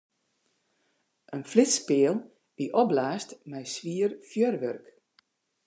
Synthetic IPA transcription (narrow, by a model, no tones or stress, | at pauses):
ʔənflɪspɪəlˠ | diʔɔblaːstmɛjsʋiərfjørʋørk